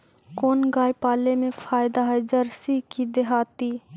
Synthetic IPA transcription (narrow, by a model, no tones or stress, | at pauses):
koːnɡaːjpaːlemẽfʰaːjd̪aɦɛd͡ʒəɾsikid̪eɦaːt̪i